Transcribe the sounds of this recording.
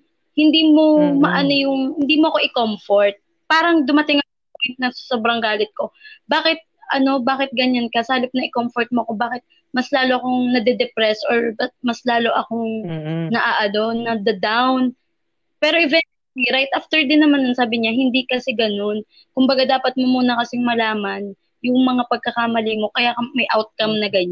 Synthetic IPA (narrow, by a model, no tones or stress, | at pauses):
hɪnd̪iːmomɐʔɐnojʊŋhɪnd̪iːmoɐkoʔɪkomfoɹt̪̚ | paːɾɐŋd̪ʊmɐt̪ɪŋɐkoɪnɐssoːbɾɐŋɡaːlɪt̪̚ko̞baːkɪt̪̚ʔɐno̞baːkɪt̪̚ɡɐɲankɐsaːlɪp̚nɐʔɪkomfoɹt̪̚moɐkobaːkɪt̪̚ | mɐslaːloɐko̞ŋnɐd̪ɛd̪ɛpɾɛsʔoɹbɐt̪̚mɐslaːlo̞ʔɐko̞ŋnɐʔaːʔɐno̞nːɐd̪ɐd̪awn | pɛːɾo̞ʔɪvɛn | liɾajt̪ʔaft̪ɛɹd̪ɪnːɐmanɐŋsaːbɪɲaɦɪnd̪ikɐsɛɡɐno̞n | kʊmbɐɡad̪aːpɐt̪̚momuːnɐkɐsɪŋmɐlaːmɐn | jʊŋmɐŋapɐɡ̚kɐkamɐlimo̞kɐjaːkɐmɐjʔawt̪̚kɐmnɐɡɐɲa